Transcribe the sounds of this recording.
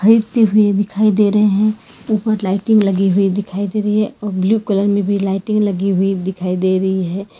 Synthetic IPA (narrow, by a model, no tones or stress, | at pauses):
xɐɾiːd̪t̪eɦʊed̪ɪkʰaːid̪eːɾəɦeɦɛ̃ | uːpəɾlaːɪʈɪ̃ŋɡlɐɡiɦʊid̪ɪkʰaːid̪eːɾɐɦiɦɛɔːɾbljuːkələɾmẽbʱilaːɪʈɪ̃ŋɡlɐɡiɦʊid̪ɪkʰaːid̪eːɾɐɦiɦɛː